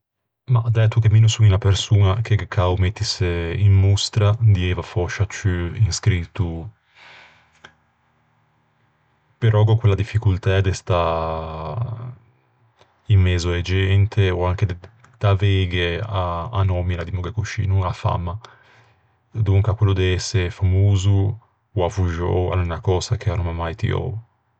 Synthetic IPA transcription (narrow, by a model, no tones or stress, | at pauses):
mad̪ɛt̪ːukeminusuɲinapeɾsuːnak̟eɡekʰːawmet̪ːiseimmust̪ɾad̪iɛvafɔʃat͡ʃyinskɾit̪ːu | peɾʔɔɡɔkwelːad̪ifːikult̪ad̪ɛst̪a | imːeːzoed͡ʒɛnt̪ʰeoaŋk̟ed̪ | d̪̥aveɡeaanɔmilad̪imoɡakut͡ʃḭːnuafa̰mːa | d̪uŋkakwelːod̪eɛsːeɾefamoːzuː | afuʒɔ̰wa̰lunakɔːzak̟eanomamajt̪ḭɔ̰